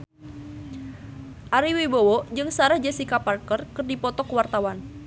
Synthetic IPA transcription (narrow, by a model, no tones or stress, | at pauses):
ʔaɾiwibowɔd͡ʒɨŋsaɾahd͡ʒasikaparkərkərdipɔt̪ɔkwart̪awan